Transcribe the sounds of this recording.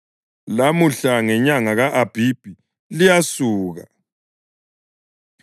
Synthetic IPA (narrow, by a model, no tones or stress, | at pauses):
lamuɬaŋɛɲaŋaɣaʔab̥ʱib̥ʱi | lijasuːɣa